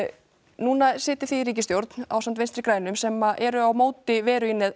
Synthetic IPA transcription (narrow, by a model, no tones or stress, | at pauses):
nuːnasɪːt̪ɪɾ̥θiːɾiːcɪst̪jowɾt̪n̥a̰wsamt̪ejnst̪ɾɪkɾaːjnʏmsɛmːaʔɛɾʏawmoːwt̪ɪvɛːɾʏinːɪð